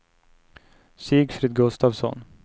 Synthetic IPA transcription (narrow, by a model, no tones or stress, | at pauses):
syːɡfɾɪd̪̚ɡɵst̪aːvsɔ̰n